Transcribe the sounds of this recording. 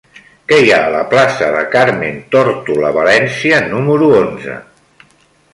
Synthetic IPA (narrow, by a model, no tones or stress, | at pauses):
kɛjaələplasəðəkaɾment̪ɔɾt̪uləβəlɛnsiənuməɾuonzə̰